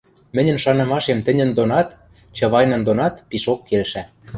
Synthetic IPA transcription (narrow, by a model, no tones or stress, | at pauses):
mɘ̆nʲə̆nʃɑnɤ̆mɑʃemt̪ɘ̆nʲə̆nd̪onɑt̪ | t͡ɕɤ̆βɑjnɤ̆nd̪onɑt̪piʃokːelʃæ